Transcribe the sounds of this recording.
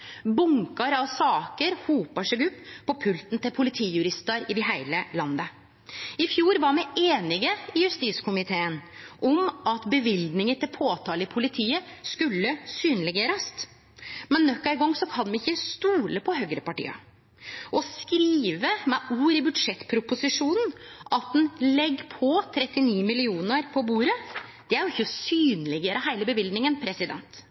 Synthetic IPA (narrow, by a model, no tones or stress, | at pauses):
bʊŋkɑɾɑʋsɑːkəɾhuːpɑʂɛɡʉpːpʰːɔpʰʉlt̪nt̪ɪlpʰʊlɪt̪ʰiːjʉɾɪst̪əɾɪd̪ɪɦæɪləlɑnːə | ɪfjuːɾʋɑɾmɛɪʔeːnɪɡəɪjʉst̪iːskʰʊmɪt̪ʰeːənʔɔmʔɑt̪bəʋɪld̪nɪŋət̪ʰɪlpʰoːt̪ʰɑːləpʰʊlɪt̪ʰiːəskʉlːəsyːnəlɪɡeːɾəst̪ | mɛnːɔkːæɪɡɔŋːsɔkʰɑnʋɛɪçːəst̪uːləpʰɔɦœɡɾəpɑʈḭːɑ̰ | ʔɔskɾiːʋəmɛʔuːɾɪbʉd̪ʂɛt̪ːpʰɾʊpʊsɪʂuːnn̩ʔɑt̪̚d̪ɛnlɛɡːpʰɔt̪ʰɾɛt̪ːɪniːmɪlɪuːnəɾpʰɔbuːɾəd̪̥ɛæɾjʊɪçːəsyːnəlɛɡeːɾəhæɪləbəʋɪld̪nɪŋənpʰɾɛsɪd̪ɛ̰nt̪